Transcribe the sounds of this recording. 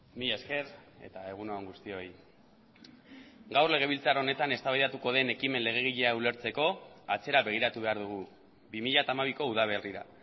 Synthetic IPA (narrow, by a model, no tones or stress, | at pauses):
mieske̞ɾe̞̰t̪ae̞ɣ̞unoaŋɡust̪io̞j | ɡawrle̞ɣ̞e̞βilt͡saɾone̞t̪ane̞st̪aβajðat̪uko̞ð̞e̞ne̞kime̞nle̞ɣ̞e̞ɣ̞iʎe̞aule̞ɾt͡se̞ko̞at͡se̞ɾaβe̞ɣ̞iɾat̪uβe̞aɾðuɣ̞u | bimiʎat̪aːmaβ̞iko̞uð̞aβ̞e̞riɾa̰